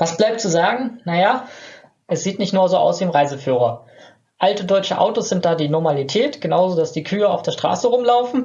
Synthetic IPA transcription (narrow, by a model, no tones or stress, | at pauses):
v̥asb̥laɪp̚tt͡suzaːɡŋ̩naja | ʔɛsz̥iːtnɪçtnuːɐzoːʔa̰ʊsv̥iːɪmʁaɪzəfyːʁ̞ɐ | ʔaltədɔʏt͡ʃəʔa̰ʊtosz̥ɪnt̚d̥aːdiːnɔɐmalitʰɛːtɡ̥ənaʊzoːdasd̥iːkʰyːəa̰ʊfd̥eːɐʃtʁ̥a̰ːsəʁʊmlaʊfn̩